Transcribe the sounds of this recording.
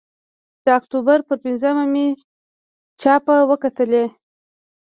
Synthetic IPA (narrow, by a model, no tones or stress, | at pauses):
d̪̥əakt̪ubaɾpəɾpɪnzəmame | t͡ʃɑpawəkat̪əle